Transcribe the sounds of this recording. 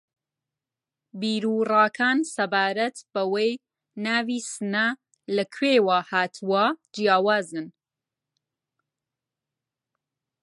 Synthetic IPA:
biːɾuːraːkʰaːnsɐbaːɾɐt̪bɐwej | naːviːsɨnɐ | lɐkʰweːwaːhaːt̪ʰuwad͡ʒijaːwaːzɨn

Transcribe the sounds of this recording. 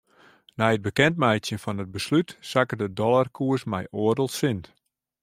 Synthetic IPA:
nɛjəd̚bəkɛntmɛjtsjənfɔnəd̚bəslytsakədədɔlˠarkʰuəsmɛ̰jʔoərdəlˠsɪnt

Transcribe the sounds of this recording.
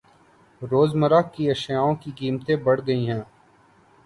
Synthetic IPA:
ɾoːzməɾakkːiɐʃjaːõkiɡiːmt̪ẽbɐɽ̤ɡɐiɦɛ̃ː

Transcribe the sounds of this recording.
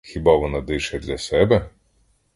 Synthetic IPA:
xʲibɑʋɔnɑd̪ɪʃɛd̪lʲɐsɛbɛ

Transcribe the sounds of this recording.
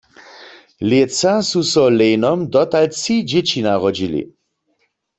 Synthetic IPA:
ljet͡sasusɔleːnɔmd̪ɔt̪alt͡sid͡ʒet͡ɕinaʁɔd͡ʒilḭ

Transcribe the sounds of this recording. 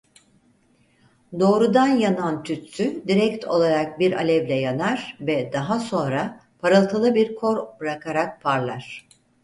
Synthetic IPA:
d̪o̞ːɾud̪anjanant̪ʰyt̪t̪ʰyd̪iɾɛct̪ʰo̞̰lˠaɾak̚biɾa̰lʲɛvlʲɛjanaɾ̥vɛd̪aɦaso̞nɾapʰaɾalˠt̪ʰalˠɯbiɾkʰo̞ɾbɾakʰaɾak̚pʰaɾlˠaɾ̥

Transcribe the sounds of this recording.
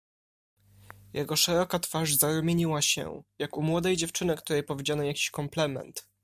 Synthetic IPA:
jʔɛɡɔʂɛɾɔkat̪faʐzaɾumʲeɲiwaɕɛ̰jakumwɔd̪ɛjd͡ʑɛft͡ʂɘnɘkt̪uɾɛjpɔvʲjed͡ʑanɔjakʲi̥ɕkɔmplɛmɛ̰nt̪

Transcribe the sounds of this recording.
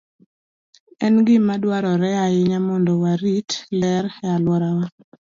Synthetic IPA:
ɛnɡɪmadwaɾɔɾɛaɪɲamɔndɔwaɾitlɛɾɛalwɔɾawa

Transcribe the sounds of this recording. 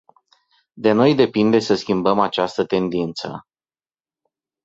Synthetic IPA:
d̪e̞no̞jd̪e̞pind̪e̞səskʲimbəmat͡ʃast̪ət̪e̞nd̪int̪sə̰

